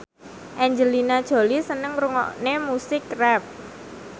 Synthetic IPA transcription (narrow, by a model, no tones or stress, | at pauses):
ʔɛɲd͡ʒəlinad̥ʒ̥o̤lisənəŋɾuŋɔ̰ʔnemusɪkrɛp̚